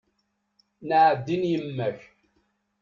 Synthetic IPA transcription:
nəʕəd̪ːinjəmːæç

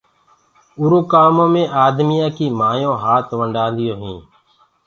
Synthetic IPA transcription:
ʊɾõːkaːmõːmẽːʔaːd̪mijãːkiːmaːjõːɦaːt̪ʰʋəɳɖãːnd̪ɪjoːɦḭ̃ː

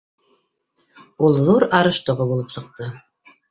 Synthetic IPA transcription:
ulˠðuɾɑɾɤ̆ʃt̪ŏʁobulˠɤpsɤ̆q̚t̪ɤ

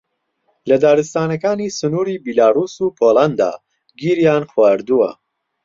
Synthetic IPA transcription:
lɐd̪aːɾɨst̪aːnɐkaːnisɨnuːɾiːbilaːruːsuːpʰoːland̪a̰ː | ɡiːɾjaːnxwaːɾd̪uwɐ̰

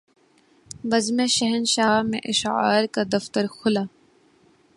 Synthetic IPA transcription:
bɐzmẽʃɐɦənʃaːɦmḛ̃ʔɪʃa̰ːɾkad̪ɐft̪əɾxʰʊlaː

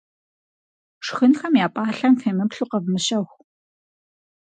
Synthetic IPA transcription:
ʂxɨnxɐmjaːpʼaːɬɐmfeːmɨpɬuːqɐvmɨɕɐxʷ

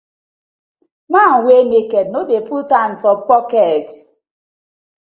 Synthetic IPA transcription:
manwenekɛdnodeputãnfɔpɔkɛt

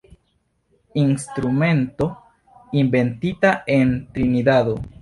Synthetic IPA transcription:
instɾume̞nto̞ | inbe̞ntitae̞ntɾinidado

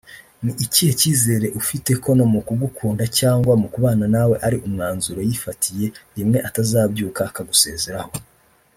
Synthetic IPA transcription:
niʔiciheciːze̞ːɾe̞ʔufite̞ko̞nomukuɡukʰuːndacaːŋɡwamukuβaːnanawe̞ʔaɾiʔumŋaːnzuɾojifatʰije̞ɾimŋe̞ʔatazaːbɟuːkakaɡuse̞̰ːzeɾaho̞

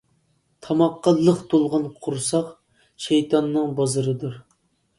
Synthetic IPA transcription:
t̪ʰɑmɑqːɑlˠːəqt̪ʰolˠʁɑnqʰʊɾsɑq | ʃejt̪ʰɑnːɨŋbɑzɨɾɨd̪uɾ

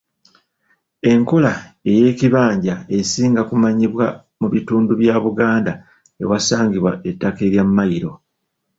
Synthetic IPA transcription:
e̞ŋko̞lae̞je̞ːciβaːɲɟae̞siːŋɡakumaɲiβwa | muβituːnduβjaːβuɡaːnda | e̞̰wasaːŋɡiβwaetːake̞ɾjamːajiɾo̞

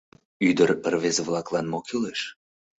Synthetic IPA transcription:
yd̪ərərβezβlɑklɑnmokileʃ

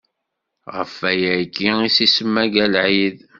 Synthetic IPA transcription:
ʁəfːæjækːiisisəmːæɡælʕið

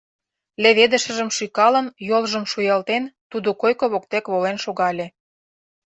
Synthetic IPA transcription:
lʲeβed̪ə̆ʃə̆ʒə̆mʃykɑlə̆njolʒə̆mʃujɑlt̪ent̪ud̪okojkoβok̚t̪ekβolenʃoɣɑlʲe

